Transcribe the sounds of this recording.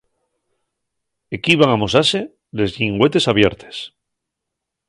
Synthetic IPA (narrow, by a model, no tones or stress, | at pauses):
ekiβaŋamosase̞ | le̞zʎiŋɡwe̞t̪e̞saβje̞ɾt̪e̥s